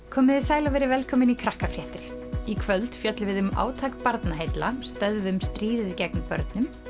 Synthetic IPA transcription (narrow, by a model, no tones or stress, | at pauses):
kʰɔːmɪðɪsaːjlavɛɾɪvɛlkʰɔːmɪnikʰɾahkafɾjɛht̪ɪɾ̥ikʰvœlt̪fjœt̪lvɪðʏma̰ːwt̪ʰakpaɾt̪naɦejt̪la̰st̪œðvʏmst̪ɾiːðɪðɪcɛknpœ̰ɾt̪nʏm